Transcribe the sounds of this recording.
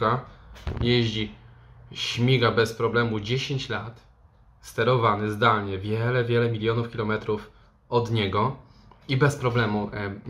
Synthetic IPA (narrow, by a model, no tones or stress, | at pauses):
ajɛʑd͡ʑi | ɕmʲiɡabɛspɾɔblɛmud͡ʑeɕeɲt͡ɕlat̪ | st̪ɛɾɔvanɘzd̪alɲɛvʲjɛlɛvʲjɛlɛmʲilʲjɔnufkʲilɔmɛt̪ɾuf | ɔd̪ɲɛɡɔibɛspɾɔblɛmu